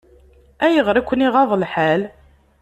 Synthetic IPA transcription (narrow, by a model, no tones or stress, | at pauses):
æjəʁɾˤækʷːəniʁɑðˤəlħaæl